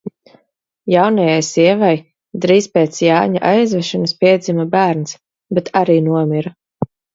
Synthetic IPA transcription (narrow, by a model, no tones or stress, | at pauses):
jawnajajsiɛvaj | d̪ɾiːspeːt̪sjaːɲaʔajzvɛʃanspiɛd̪zʲimabæːɾns | bet̪ʰaɾiːnuɔmʲiɾa